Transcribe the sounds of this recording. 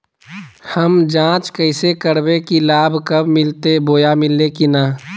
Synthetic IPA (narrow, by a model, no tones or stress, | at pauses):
həmd͡ʒãːt͡ʃkəɪsekəɾbekilaːbʱkəbmɪlt̪eboːjamɪlekinaː